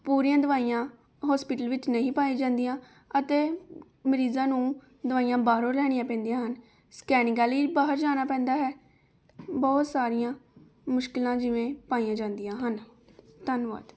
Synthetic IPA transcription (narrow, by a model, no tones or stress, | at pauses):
puːɾijãːd̪əʋaːijãː | ɦɔːspɪːʈəlʋɪt͡ʃnəĩːpaːĩːd͡ʒãːnd̪ijãː | ət̪eː | məɾiːzãːnũː | d̪əʋaːijãːbaːɦɾõːɾɛːɽijãːpɛ̃ːnd̪ijãːɦən | skɛːnɪɡaːliːbaːɦəɾd͡ʒaːnaːpɛ̃ːnd̪aːɦɛː | bɔːt̪saːɾɪjãː | mʊʃkɪlãːd͡ʒɪʋẽːpaːiãːd͡ʒãːnd̪ijãːɦən | t̪ənʋa̰ːd̪